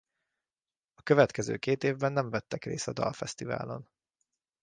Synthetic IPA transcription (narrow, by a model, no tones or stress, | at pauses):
ɒkøvɛt̪kɛzø̰ːkeːt̪eːvbɛnːɛɱvɛt̪ːɛkrḛːsɒd̪ɒ̰lfɛst̪iva̰ːlo̞̰n